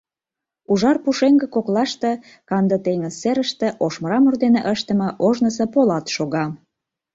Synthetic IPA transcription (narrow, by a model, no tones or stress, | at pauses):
uʒɑrpuʃeŋɡə̆koklɑʃt̪e | kɑnd̪ət̪eŋəzːeɾəʃt̪ĕʔoʃməɾɑmurd̪eneʔəʃt̪əmɤʔoʒnəsə̆polɑt̪ʃoɣɑ